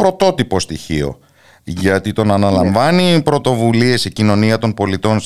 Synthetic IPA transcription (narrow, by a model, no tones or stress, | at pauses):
pɾo̞t̪o̞t̪ipo̞st̪içio̞̰ | ʝɐt̪it̪o̞nɐnɐlɐɱvɐnipɾo̞t̪o̞vulie̞sicino̞niɐt̪o̞npo̞lit̪o̞ns